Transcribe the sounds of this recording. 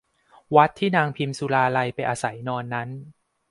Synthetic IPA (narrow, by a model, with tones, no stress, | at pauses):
wa˦˥t̪ʰːiː˥˩naː˧ŋpʰi˧msuː˧laː˧la˧jpa˧jʔaː˧sa˩˦jnɔː˧nːa˦˥n